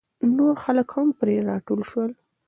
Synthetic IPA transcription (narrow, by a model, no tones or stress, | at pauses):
noɾxaləkhampɾeɾɑʈolʃwəl